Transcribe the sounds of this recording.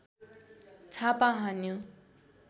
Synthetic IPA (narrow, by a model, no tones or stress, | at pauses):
t͡sʰapaɦãnju